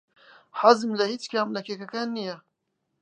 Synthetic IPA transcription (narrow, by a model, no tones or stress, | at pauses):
ħazɨmlɐhit͡ʃkʰaːmlɐkʰekɐkaːnːijɛ